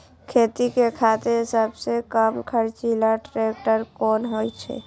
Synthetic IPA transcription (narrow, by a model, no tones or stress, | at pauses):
kʰet̪ikekʰat̪eɦisabsekəmkʰəɾt͡ʃilaʈɾek̚ʈəɾkɔnɦojt͡ʃʰɛ̰